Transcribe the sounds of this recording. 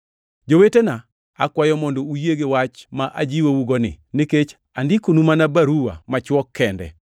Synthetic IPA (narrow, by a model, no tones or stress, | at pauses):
d͡ʒowetena | akwajɔmɔndɔujeɡewat͡ʃmaʔad͡ʒiwouɡɔnɪ̰niket͡ʃ | andikunumanabaɾuwa̰mat͡ʃwɔkʰːɛndɛ̰